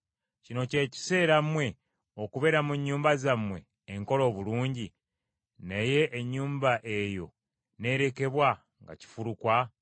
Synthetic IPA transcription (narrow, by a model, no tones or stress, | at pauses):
cino̞ce̞ːci̥se̞ːɾamwe̞ | o̞kuβe̞ɾamuɲːuːmbazamwe̞̰ː | ŋko̞lo̞ːβuluːɲɟi | neje̞ʔːɲːuːmbaʔejo̞̰ | ne̞ːɾe̞ke̞βwa | ŋɡa̰ci̥fuɾukwa